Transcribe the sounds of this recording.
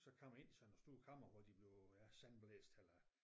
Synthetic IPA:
sɒ̽kʰɒm̰e̝n̰isɒnɒsd̥uːɐkʰɑ̈m̰ɐʋɒd̥ib̥le̝ʊjæsænb̥lḛːsd̥elɐ

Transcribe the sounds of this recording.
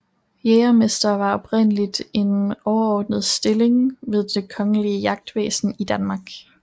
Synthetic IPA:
jeːɐme̝sd̥ɐʋɑ̈ɒ̽b̥ʰʁen̰əlid̥e̝nɒʊɐɒːd̥nəð̞ˠsd̥e̝le̝ŋʋe̝ð̞ˠd̥ekʰɒ̽ŋəliəjɑ̈ɡ̥̚d̥ʋḛːsn̩id̥ænmɑ̈ːɡ̥

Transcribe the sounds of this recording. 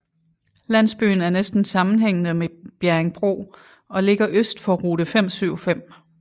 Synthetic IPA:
læn̰sb̥y̰ːn̩æɐnesd̥n̩sɑ̈mn̩ɦeŋ̰nəmeb̥jæɐeŋb̥ʁo̝̰ː | ɒ̽le̝ɡ̥ɐʔøsd̥fɒʁuːɾəfem̰syʊ̰fem̰

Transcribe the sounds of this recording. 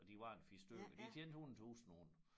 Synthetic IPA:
ɒd̥iʋɑ̈enfisd̥ø̰ɐd̥ikʰend̥hunt͡sʰuːsn̩on

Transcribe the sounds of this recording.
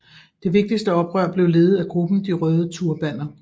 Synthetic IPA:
d̥e̝ʋe̝ɡ̥̚d̥isd̥əɒ̽b̥ʁɶɐ̰b̥le̝ʊle̝ːð̞̩ˠæɡ̥ʁub̥n̩d̥iʁœːðˠət͡sʰuɐ̰b̥æn̰ɐ

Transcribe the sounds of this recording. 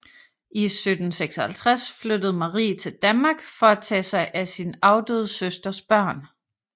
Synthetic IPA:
ʔisød̥n̩seɡ̥sɒhælt͡sʰʁasflød̥əð̞̩ˠmɑ̈ʁḭːt͡sʰe̝ld̥ænmɑ̈ːɡ̥fɒ̽æt͡sʰɛ̰ːsɑ̈ɪʔæsinɑ̈ʊd̥ø̰ːð̞̩ˠsøsd̥ɐsb̥ɶɐ̰n

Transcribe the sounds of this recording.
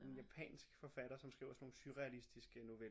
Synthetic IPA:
e̝njæpʰɛ̰ːnsɡ̥fɒ̽fæɾ̥ɐsɒ̽msɡ̥ʁḭʊ̰ɐsɒ̽no̝ːn̩syʁɛælisd̥isɡ̥əno̝ʋel

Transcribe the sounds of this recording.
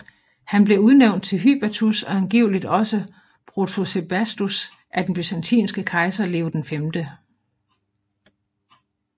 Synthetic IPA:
hænb̥le̝uð̞ˠneʊnd̥̚t͡sʰe̝lɦy̰ːb̥æt͡sʰusɒ̽ænɡ̥iʊlid̥ɒ̽sə | pʰʁot͡sʰose̝b̥æsd̥us | ʔæɐd̥en̩b̥ysænt͡sʰḭːnsɡ̥əkʰɑ̈ɪsɐle̝ʊd̥enfemd̥ə

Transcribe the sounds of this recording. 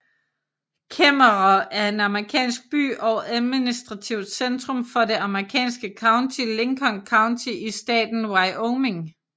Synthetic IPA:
kʰemɐʁɐæɐe̝nɑməʁikʰɛ̰ːnsɡ̥̚b̥y̰ːʔɒʊʔæðˠminisd̥ʁɑ̈t͡sʰiʊd̥send̥ʁɔ̽mfɒ̽de̝ɑ̈məʁikʰɛ̰ːnsɡ̥əkʰɑ̈ʊnt͡sʰile̝ŋkʰɒ̽ŋkʰɑ̈ʊnt͡sʰiʔisd̥ɛ̰ːd̥n̩wɑ̈ɪoʊme̝ŋ

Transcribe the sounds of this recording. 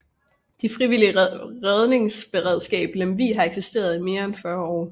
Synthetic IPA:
d̥ifʁiʋiliʁɛð̞ˠne̝ŋsb̥e̝ʁɛð̞̰ˠsɡ̥ɛ̰ːb̥lemʋḭːɦɑ̈eɡ̥sisd̥e̝̰ːɐð̞̩ˠime̝ːɐenfɶɐɒ̰ː

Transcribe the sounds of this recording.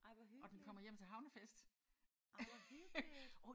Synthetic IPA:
ʔɒ̽d̥enkʰɒ̽m̰ɐjem̰t͡sʰe̝ɦɑ̈ʊnəfesd̥

